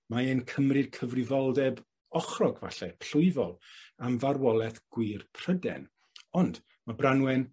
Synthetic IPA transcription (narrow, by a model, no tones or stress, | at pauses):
maenkʰəmrɨd̥kʰəvrɨvɔlˠdɛb | ɔχrɔɡva̰ɬɛpʰɬʊɨvɔlˠamvarwɔlˠɛθɡ̥wɨːrpʰr̥ədɛ̰n | ɔnd | mabranwɛn